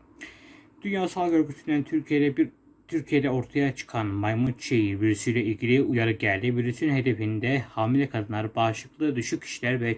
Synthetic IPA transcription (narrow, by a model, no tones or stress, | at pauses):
d̪̥ynjaːsalˠɟø̞ɾɟyt̪ʰynd̪æn | t̪ʰyɾcʰijed̪ɛo̞ɾt̪ʰajat͡ʃʰɯ̥kʰanmajmut̪̚t͡ʃʰejivylysyjlʲɛilʲɟilʲiujaɾɯɟælʲd̪ivylʲysynɦe̞d̪efind̪ɛhaːmilʲɛkʰad̪ɯnˠaɾɯbaʃlˠɯklˠɯd̪yʃyc̚ʲcʰi̥ʃilʲæɾvɛ